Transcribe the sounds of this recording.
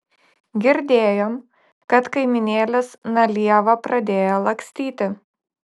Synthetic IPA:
ɡʲɪɾʲd̪ʲeːjoːm | kɐt̪kɐɪmʲɪnʲeːlʲɪsnɐlʲiɛʋɐpɾɐd̪ʲeːjolˠɐkʲsʲt̪ʲiːt̪ʲɪ

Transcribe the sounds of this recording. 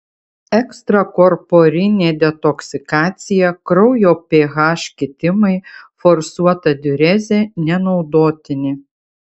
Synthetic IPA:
ɛkst̪ɾɐkɔɾpoɾʲɪnʲeːd̪ʲɛt̪ɔksʲɪkɑːt̪sʲɪjɛkɾɔʊjoːpʲeːɣɑːʃʲkʲɪt̪ʲɪmɐɪfɔɾsuɔt̪ɐd̪ʲʊɾʲɛzʲenʲɛnɒʊd̪oːt̪ʲɪnʲɪ

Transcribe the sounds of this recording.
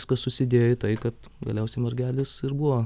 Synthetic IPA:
skɐssʊsʲɪd̪ʲeːjɪt̪ɐɪkɐt̪ | ɡɐlʲɛʊsʲɛɪmɐrʲɡʲæːlʲɪsɪrbuʋoː

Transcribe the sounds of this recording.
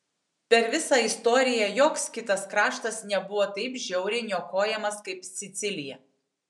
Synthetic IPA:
pʲɛɾʋʲɪsɑːɪst̪ɔːɾʲɪjɛjoːkskʲɪt̪ɐskɾɑːʃt̪ɐsnʲɛbʊʋoːt̪ɐɪpʒʲɛʊɾʲɪnʲoːkoːjɛmɐskɐɪpsʲɪt̪sʲɪlʲɪjɛ

